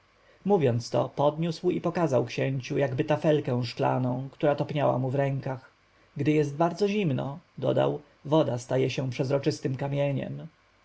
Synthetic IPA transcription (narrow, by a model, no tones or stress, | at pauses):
muvʲjɔnt̪st̪ɔ̰pɔd̪ɲuswipɔkazawkɕɛɲt͡ɕujaɡbɘt̪afɛlkɛ̃w̃ʂkla̰nɔ̃w̃kt̪uɾat̪ɔpɲawa̰muvɾɛŋkax | ɡd̪ɘjɛst̪̚baɾd̪zɔʑimnɔ̰d̪ɔ̰d̪a̰w | vɔd̪ast̪ajɛɕɛ̃pʂɛzɾɔt͡ʂɘst̪ɘmkamʲjɛɲɛ̰m